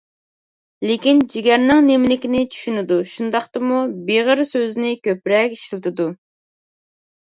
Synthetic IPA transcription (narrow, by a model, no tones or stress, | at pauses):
lekʲind͡ʒiɡʲɛɾnɪŋnemlɪkʲinɪt͡ʃʰy̥ʃynɪd̪uʃund̪ɑχt̪ɨmubeʁəɾsøznɪkʲøpɾɛkʲi̥ʃlˠɨt̪ʰɨd̪u